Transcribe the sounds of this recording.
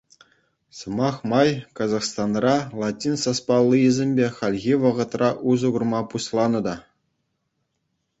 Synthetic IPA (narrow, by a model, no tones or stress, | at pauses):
sɤ̆mɑχmɑjkɑzɑχst̪ɑnrɑlˠɑtʲːinsɑspɑlˠːiizʲemʲbʲeχɑlʲɣʲiʋɤ̆ʁɤ̆t̪rɑʔuzɤ̆ɡurmɑpuɕlˠɑnɤ̆d̪ɑ